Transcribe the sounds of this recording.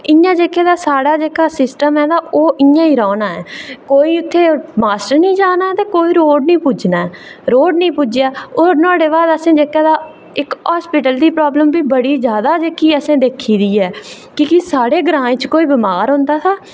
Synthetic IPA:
ɪjãːd͡ʒeːkeːd̪aːsaːɽaːd͡ʒeːkaːsɪsʈəmɛ̃ːd̪aːʔoːʔɪãːiːɾɔːnaːɛ̰ːkoːiːʊt̪ʰːeːmaːsʈəɾnĩːd͡ʒaːnaːt̪eːkoːiːɾoːɖnĩːpud͡ʒnaːɛːɾoːɖnĩːpuːd͡ʒjaːoːɾnãːɽeːbaːd̪əsẽːd͡ʒeːkɛːd̪aː | ɪkɦaːspɪʈəld̪iːpɾaːbləmbiːbəɽiːd͡ʒjaːd̪aːd͡ʒeːkiːəsẽːd̪eːkʰːiːd̪iːɛː | kɪkɪsaːɽeːɡɾãːẽːt͡ʃkoːiːbɪmaːɾɦʊ̃ːnd̪aːt̪ʰaː

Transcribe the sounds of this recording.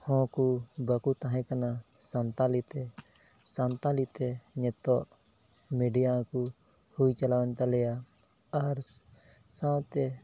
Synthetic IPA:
hɔ̃kubəkut̪aɦɛ̃kanasant̪alit̪ɛ | sant̪alit̪ɛɲɛt̪ɔʔ | miɖijaku | hujt͡ʃalawɛnt̪alɛja | aɾ | sãwt̪ɛ

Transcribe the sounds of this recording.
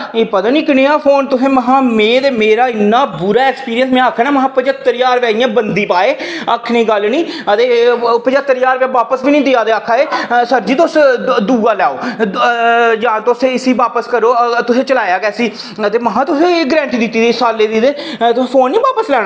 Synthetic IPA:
eːpət̪ãːniːkɪneːaːfʰoːnt̪ʊsẽːməɦãːmẽːt̪eːmeːɾaːɪnːaːbuɾaːɛːkspiːɾijənsmɛ̃ːakʰːanaːməɦãːpəd͡ʒaːt̪əɾjaːɾʋɛːɪjãːbənd̪iːpaːeːəkʰnĩːɡəlnĩːət̪eːpəd͡ʒaːt̪əɾjaːɾʋãːʋaːpəsbiːnĩːd̪ɪaːd̪eːakʰːaːeːsəɾd͡ʒiːt̪osd̪uːɡaːlɛːoː | d͡ʒãːt̪osẽɪsiːʋaːpəskəɾoːt̪ʊsẽːt͡ʃəlaːjaːɡɛːsiː | ət̪eːməɦãːt̪ʊsẽːɡɾɛ̃ːɳʈiːd̪ɪt̪ːiːd̪isaːleːd̪iːd̪eːt̪ʊẽːfʰoːnːiːʋaːpəslɛːɽ̃a

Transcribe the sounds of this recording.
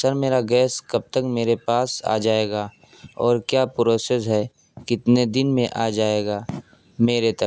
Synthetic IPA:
səɾmeːɾaɡɛːskɐb̚t̪əkmeːɾepaːsa̰ːd͡ʒaːeːɡaː | ɔːɾkjaːpɾoːsesɦɛː | kɪt̪ned̪ɪnmẽʔaːd͡ʒaːeːɡaː | meːɾet̪ə

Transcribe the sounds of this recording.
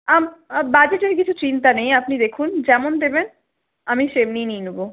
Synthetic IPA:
ambad͡ʑeʈeɾkit͡ɕʰut͡ɕint̪anejapnid̪ekʰund͡ʑɛmond̪eben | amiʃemnijnijnubo

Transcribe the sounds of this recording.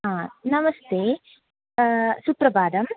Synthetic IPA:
ɦãːnɐmɐst̪eː | supɾɐʋaːd̪ɐm

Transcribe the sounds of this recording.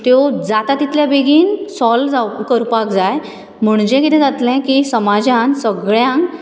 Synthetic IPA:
t̪jod͡zat̪at̪ːit̪ljabeɡʱiːnsɔld͡zakəɾpakd͡zaj | m̤əɳd͡ʑɛ̃kit̪ʰɛ̃d͡zat̪lɛ̃kisəmad͡ʑãnsəɡɭjãŋk

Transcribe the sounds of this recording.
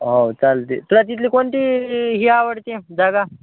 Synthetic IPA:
ɦowt͡salt̪ḭt̪uɽat̪̬it̪liːkoɳʈ̪iɦiaʋəɽt̪ed͡zaɡa

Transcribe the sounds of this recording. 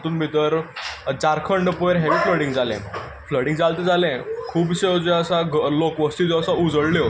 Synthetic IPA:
t̪uːnbʱit̪əɾd͡ʑaɾkʰəɳɖpoeɾɦɛʋiːfləɽiŋɡd͡zalɛ̰̃ | fləɽĩŋɡd͡zalt̪ed͡zalɛ̃kʰuːbɕed͡ʑeəsaɡlokʋəst̪id͡zɔsaud͡zəɽljo

